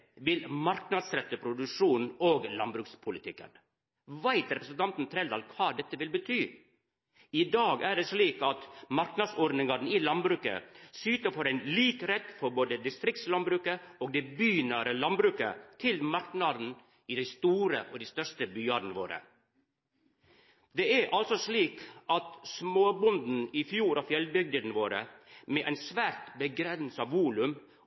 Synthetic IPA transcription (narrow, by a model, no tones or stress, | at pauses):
ʋɪlmɑɾknɑd̪sɾɛt̪ːəpʰɾʊd̪ʉʂuːnoːɡlɑnbɾʉːkspʰʊlɪt̪ʰɪkːə̰n | ʋæɪt̪ɾɛpɾəsnt̪ʰɑnt̪n̩t̪ʰɾɛld̪ɑ̰lkʰʋɑːd̪ɛt̪ːəʋɪlbət̪ʰyː | ɪd̪ɑːɡæːɖeːʂɭiːkɑt̪mɑɾknɑd̪sɔɾnɪŋɑɾn̩ilɑnbɾʉːkə̰syːt̪əfɔɾæɪnliːkɾɛt̪ːfɔɾboːd̪əd̪ɪst̪ɾɪk̚t̪slɑnbɾʉːkəoːɡ̚d̪ɛɪbyːnəɾəlɑnbɾʉːkə̰t̪ʰɪlmɑɾknɑd̪n̩ | ɪd̪ɛɪst̪uːɾəʔɔd̪ɛɪst̪œʂʈəbyːɑːɖn̩ʋo̰ːɾə̰ | d̪eæʔɑlsɔsliːkʔɑt̪smoːbʊnd̪n̩ɪfjuːɾɑfjɛlbʏɡ̚d̪ənʋoːɾə̰meʔæɪnsʋæːɾt̪bəɡɾɛnsəɑʋʋuːlʉm